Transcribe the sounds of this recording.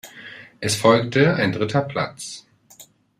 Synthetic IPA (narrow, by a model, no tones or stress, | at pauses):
ʔɛsfɔlk̚təaɪndʁɪtʰɐpʰl̥a̰t͡s